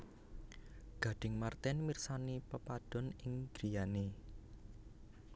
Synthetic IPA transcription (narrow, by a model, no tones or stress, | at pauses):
ɡ̥ä̤ɖ̥ɪ̤ŋmart̪ɛnmirsanipəpad̥ɔ̤nɪŋɡ̥ɾijane